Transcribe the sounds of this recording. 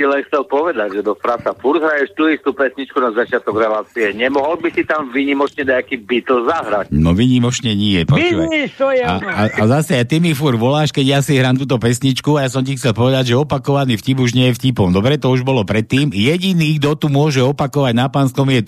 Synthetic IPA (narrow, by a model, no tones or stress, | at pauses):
silɛnxt͡sɛlpɔʋɛd̪aɟʒɛd̪ɔfɾasafuɾd̪ɦɾajɛʃt̪uist̪upɛsɲit͡ʃkunazat͡ʃɪat̪ɔɡɾɛlaːt͡siɛɲɛmɔɦɔlbisit̪amʋiɲimɔt͡ʃɲɛd̪aakiːbit̪l̩zaɦɾacnɔʋiɲimɔt͡ʃɲɛɲɛɛpɔiuaɲit̪ɔjaaʔazasɛjat̪imifuɾʋɔlaːʃkɛɟjasiɦɾaːmt̪uːt̪ɔpɛsɲit͡ʃkuajas̬ɔmcixt͡sɛlpɔʋɛd̪aɟʒɛɔpakɔʋanifcipuʒɲɪɛjɛfcipɔmd̪ɔbɾɛt̪ɔuʒbɔlɔpɾɛt̪ːiːmjɛɟiniːɡd̪ɔt̪umʊɔʒɛɔpakɔʋaɟnapanskɔmjɛ